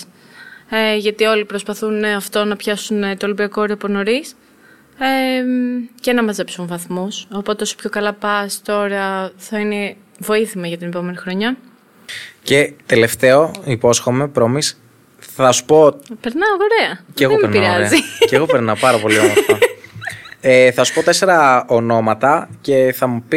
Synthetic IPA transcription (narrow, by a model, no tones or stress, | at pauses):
eʝɐt̪io̞lipɾospɐθunɐft̪o̞nɐpçɐsunt̪olibiɐkooɾeopono̞ɾis | e | ce̞nɐmɐze̞psunvɐθmuso̞po̞t̪e̞osopço̞kɐlɐpɐst̪o̞ɾeɐθɐine | vo̞iθimɐʝɐt̪ine̞po̞me̞nixɾo̞ɲɐ | ce̞t̪ele̞ft̪eo̞ipo̞sxo̞me̞pɾo̞mis | θɐsu̥po̞pe̞ɾnɐoɣoɾeɐceɣðoempeɾnpiɾɐɾeziceɣo̞peɾnɐpɐɾɐpo̞liot̪ɐ | eθɐsu̥pot̪e̞se̞ɾɐono̞mɐt̪ɐce̞θɐmupi